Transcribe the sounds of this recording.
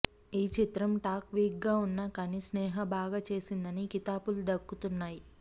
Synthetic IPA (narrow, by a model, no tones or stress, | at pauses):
iːt͡ʃit̪ɾɐmʈaːkʋiːkɡaːunːakɐnisnɛːɦɐbʱaːɡat͡ʃe̞ːsind̪ɐnikit̪aːpulud̪ɐkːut̪unːaːji